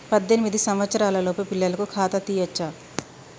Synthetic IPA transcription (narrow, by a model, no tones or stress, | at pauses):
pɐd̪ːenimid̪isɐmʋɐt̪sɐɾaːlɐloːpupilːɐlɐkukʰaːt̪ɐt̪iːjɐt͡ʃːa